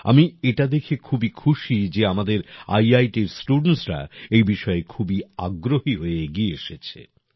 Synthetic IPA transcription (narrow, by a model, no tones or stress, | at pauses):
a̰mieʈad̪ekʰekʰubikʰuʃid͡ʑeamad̪eɾa̰jajʈiɾsʈuɖensɾa̰ejbiʃɔekʰubia̰ɡɾohiɦoeɡieeʃet͡ɕʰḛ